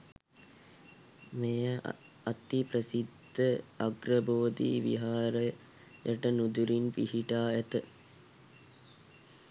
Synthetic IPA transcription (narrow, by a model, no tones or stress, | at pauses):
mejəʔ | ɐt̪ipɾɐsid̪ʱːəɐɡɾɐboːd̪ḭʋḭɦaːɾɐ | jəʈənud̪uɾinpihiʈaːet̪ə